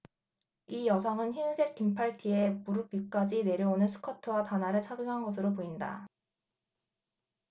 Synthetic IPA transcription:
ijʌs̬ʰʌŋɯnçinsʰe̞k̚k͈impʰaɭtʰie̞puɾupuk͈ad͡ʑine̞ɾjʌonɯnsʰɯ̥kʰʌtʰɯwatanɦaɾɯɭt͡ɕʰaɡɯŋɦanɡʌs̬ʰɯɾopoinda̰

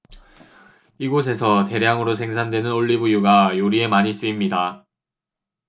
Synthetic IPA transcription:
iɡos̬ʰe̞sʰʌte̞ɾjaŋɯɾosʰe̞ŋsʰandwe̞nɯnoʎːibujuɡajoɾie̞maɲis͈ɯimɲida

